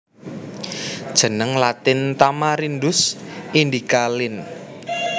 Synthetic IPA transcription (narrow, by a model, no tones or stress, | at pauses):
d̥ʒ̥ə̤nəŋlat̪ɪnt̪amaɾindʊsind̪ikalɪn